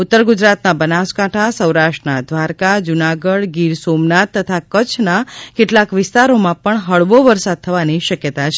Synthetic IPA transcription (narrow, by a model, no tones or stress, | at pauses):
ʊt̪ːəɾɡʊd͡ʒɾat̪nabənaskaʈʰasəwɾaʃʈnad̪ʋaɾkad͡ʒunaɡəɽɡiɾsomnat̪ːət̪ʰakət͡ʃʰnakeʈlakʋɪst̪aɾomãpəɳɦəɭʋoʋəɾsad̪̚t̪ʰəʋaniʃəkjət̪at͡ʃʰ